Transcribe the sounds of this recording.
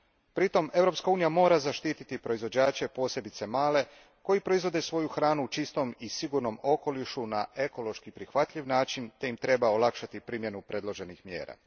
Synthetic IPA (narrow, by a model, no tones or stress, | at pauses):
pɾit̪o̞me̞vɾo̞pskauːnijamo̞ːɾazaʃt̪iːt̪it̪ipɾo̞izʋo̞d͡ʑaːt͡ɕe̞po̞ːsje̞bit̪se̞maːle̞ | ko̞jipɾo̞izʋo̞d̪esʋo̞juxɾaːnut͡ʃist̪o̞misiɡuɾno̞mo̞ko̞liʃunae̞ko̞lo̞ʃkipɾixʋat̪ʎʲiʋnaːt͡ʃint̪e̞imt̪ɾe̞baolˠakʃat̪ipɾiːmje̞nupɾe̞d̪lˠo̞ʒe̞nixmjḛːɾa̰